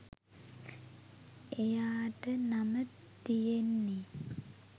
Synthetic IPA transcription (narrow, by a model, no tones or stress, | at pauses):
ejaːʈənamət̪ːijenːi